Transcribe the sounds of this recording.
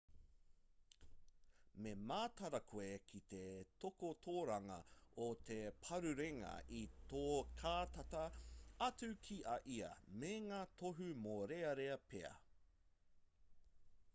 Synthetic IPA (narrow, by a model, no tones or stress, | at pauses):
memaːt̪ɐɾɐkʰoekʰit̪et̪ʰokot̪ʰoːɾɐŋɐ̰ot̪ʰe̞pʰɐɾʉɾeŋɐ̰ʔit̪oːkʰaːt̪ɐtɐɐt͡sʉkʰiʔɐʔiɐ̰meŋaːt̪ʰoɦʉmoɾeɐɾeɐpeɐ̰